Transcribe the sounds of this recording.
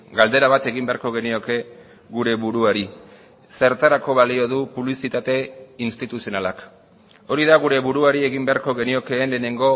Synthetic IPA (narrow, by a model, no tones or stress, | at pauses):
ɡald̪e̞ɾaβat̪e̞ɣimbe̞aɾko̞ɣ̞e̞nio̞ke̞ | ɣuɾe̞βuɾuaɾi | se̞ɾt̪aɾako̞βalio̞ð̞upuβlisit̪at̪e̞inst̪it̪usio̞nalak | o̞ɾiðaɣuɾe̞βuɾuaɾie̞ɣimbe̞aɾko̞ɣe̞nio̞ke̞ːnle̞ːne̞ŋɡo